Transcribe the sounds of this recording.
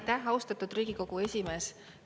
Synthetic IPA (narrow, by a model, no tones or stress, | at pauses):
t̪æhɑwst̪ɑt̪ːˑud̪̥riːɡ̥iko̞ɡ̥ue̞sʲime̞ːs